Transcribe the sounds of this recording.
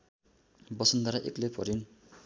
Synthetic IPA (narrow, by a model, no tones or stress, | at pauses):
bʌsʌnd̪aɾaʔeklepʌɾin